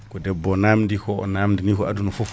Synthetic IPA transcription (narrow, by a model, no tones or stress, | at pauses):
kodɛbːonamdiko̰naːmdinikoadunufof